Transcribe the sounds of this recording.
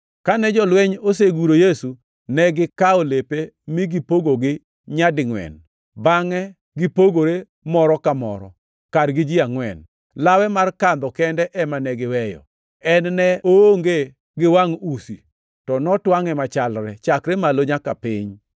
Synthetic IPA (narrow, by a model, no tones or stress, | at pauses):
kanɛd͡ʒɔlwɛɲoseɡuɾojesu | nɛɡɪkaolepemɪɡɪpoɡoɡɪ | ɲadɪŋwɛ̰n | baŋɛ | ɡɪpoɡoɾe | mɔɾɔkamɔ̰ɾɔ̰ | kadɡɪd͡ʒɪaŋwɛ̰n | lawɛmarkand̪ɔkɛndɛʔɛmanɛɡɪwɛjɔ̰ | ɛnnɛooŋɡe | ɡɪwaŋusḭ | tɔnɔtwaŋɛmat͡ʃalɾɛt͡ʃakɾemaloɲakapɪɲ